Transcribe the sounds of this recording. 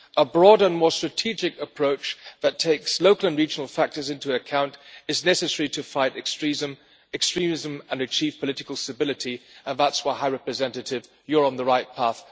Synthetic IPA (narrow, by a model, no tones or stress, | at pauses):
ʔəbɹɔɾə˞ə̃nmɔɹstɹ̥ɨtʰid͡ʒɪkəpʰɹ̥oʊt͡ʃðɨtʰeɪksloʊkl̩ˠə̃nɹid͡ʒən̩l̩ˠfæk̚tə˞zɪ̃ntuɨkʰãʊ̃ntɨznɛsɨsɛɹiɾɨfaɪɾɨkstɹ̥izɨ̃m | ɛkstɹ̥ĩmɪzə̃mə̃nɨt͡ʃʰiv̥pʰəlɪɾɨkl̩ˠstɨbɪlˠɨɾiə̃nðætswaɪɦaɪɹɛpɹɨzɛ̃ntɨɾɪv | jə˞ə̃nðəɹaɪt̚pʰæθ